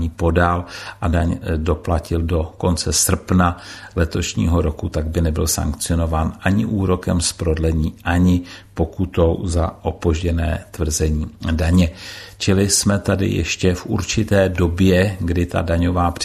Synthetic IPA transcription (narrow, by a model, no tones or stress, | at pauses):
iːpo̞dalʔadaɲdo̞placɪldo̞ko̞nt͡sɛsr̩pna | lɛt̪o̞ʃɲḭːɦo̞ɾo̞kut̪aɡ̚bɪnɛbɪlsa̰ŋkt͡sɪo̞no̞vaːnʔaɲɪʔuːɾo̞kɛmspɾo̞dlɛɲiːʔaɲɪpo̞kut̪o̞wzaʔo̞po̞ʒɟɛnɛ̰ːt̪vr̩zɛɲiːdaɲɛt͡ʃɪlɪsmɛt̪adɪ̰jɛ̰ʃcɛfʔṵɾt͡ʃɪt̪ɛːdo̞bjɛɡdɪt̪a̰daɲo̞vaːpr